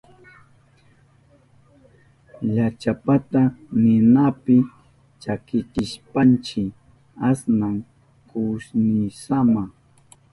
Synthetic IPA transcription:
ʎat͡ʃapat̪anɪnapɪ | t͡ʃakɪt͡ʃɪʃpant͡ʃɪ | asnaŋ | kʊsnɪsama

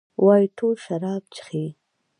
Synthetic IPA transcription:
wʔɑjiʈʰolʃaɾɑːb̚t͡ʃxi

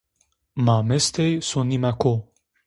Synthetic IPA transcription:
mamest̪ejsũnnimako

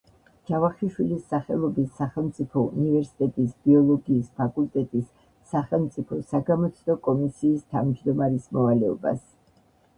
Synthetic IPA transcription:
d͡ʒavaχiʃwilisːaχɛlˠɔbisːaχɛlˠmt̪sʼipʰɔṵnivɛɾsi̥t̪ʼɛt̪ʼisb̥iɔlˠɔɡiːspʰakʼult̪ʼɛt̪ʼisː | aχɛlˠmt̪sʼipʰɔsaɡamɔt̪sʰd̪ɔkʼɔmisiːst̪ʰavmd͡ʒd̪ɔmaɾismɔvalɛɔ̰ba̰s

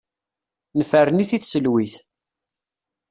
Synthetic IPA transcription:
nəfərəniθiθsəlwiθ

